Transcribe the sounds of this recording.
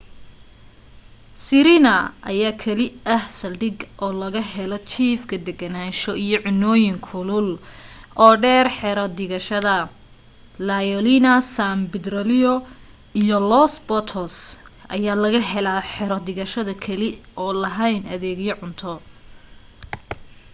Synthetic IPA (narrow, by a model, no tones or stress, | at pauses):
siɾɪnɐʔɐ̰jaːkʰɐlɪɐhsɐlɖɪɡʔɔːlɐɣɐɦɛlɔt͡ʃʰiːfkʰɐd̪ɛɡɐnaːʃɔʔijɞʕʊnːɔːjɪŋkʰʊlʊlʔɔːɖɛːrħɛɾɔd̪ɪɣɐʃɐðɐ | lajɔlinɐsambɪd̪rɔlɪɔ | ijɔlɔsbɔt̪ʰɔsʔɐ̰jaːlɐɣɐɦɛlaːħɛɾɔd̪ɪɣɐʃɐðɐkʰɐlɪɔːlɐɦɐjnʔɐðɛːɣjɐʕʊnt̪ʰɔ